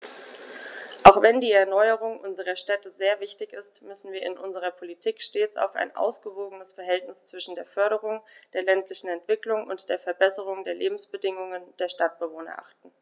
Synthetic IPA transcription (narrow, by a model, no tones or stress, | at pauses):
ʔaʊxv̥ɛndiːɛɐnɔʏəʁ̞ʊŋʔʊnzəʁ̞ɐʃtɛtəzeːɐvɪçtɪçɪstmʏsn̩viːɐɪnʔʊnzəʁ̞ɐpʰolitʰiːkʃteːt͡sa̰ʊfa̰ɪnʔa̰ʊsɡ̥əvoːɡənəsfɛɐɦɛltnɪst͡sv̥ɪʃn̩deːɐfœɐɾəʁ̞ʊŋd̥eːɐlɛntlɪçn̩ɛntv̥ɪklʊŋʊ̰ntd̥eːɐfɛɐbɛsəʁ̞ʊŋdeːɐleːbm̩sb̥ədɪŋʊŋənd̥eːɐʃtat̚b̥əvoːnɐ̰ʔa̰χtn̩